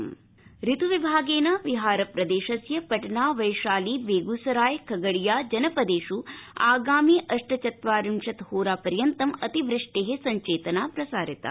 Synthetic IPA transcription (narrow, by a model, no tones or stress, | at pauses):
ɾit̪uʋibʱaːɡeːnaːʋiɦaːɾɐpɾɐd̪eːʃɐsjɐpɐʈnaːʋɐjʃaːliːʋeːɡusɐɾaːjkʰɐɡɐɽijaːd͡ʒɐnɐpɐd̪eːʃuaːɡaːmiːʔɐʂʈɐt͡ʃɐt̪ʋaːɾimʂɐt̪hoːɾaːpɐɾjɐnt̪ɐmɐt̪iʋɾiʂʈeːɦesɐɲt͡ʃeːt̪ɐnaːpɾɐsaːɾit̪a̰ː